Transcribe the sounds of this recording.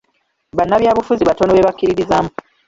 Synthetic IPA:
βanːaβjaːβufuziβatonoβeβakːiɾiɾizaːmu

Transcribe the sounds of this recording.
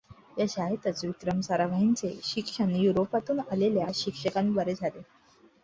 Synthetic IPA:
jaɕaɦet̪ət͡sʋikɾəmsaɾaʋaɦint͡sḛɕikʂənjuɾopat̪uːnaleljaɕikʂəkanibəɾed͡zʱale

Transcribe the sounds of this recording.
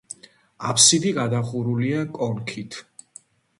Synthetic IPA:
apʰsid̪iɡad̪aχuɾuliakʼɔŋkʰit̪ʰ

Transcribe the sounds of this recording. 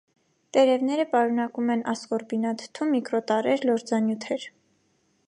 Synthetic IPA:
t̪ɛɾɛvnɛɾəpɑɾunɑkumɛnʔɑskɔɾbinɑt̪ʰt̪ʰumːikɾɔt̪ɑɾɛɾlɔɾd͡zɑnjut̪ʰɛɾ

